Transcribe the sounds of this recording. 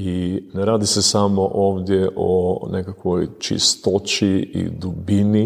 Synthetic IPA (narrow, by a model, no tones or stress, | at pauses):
ineɾaːd̪isesamoʔoːʋd̪jeʔo̰nekakʋojt͡ʃḭst̪ot͡ʃiḭd̪ubini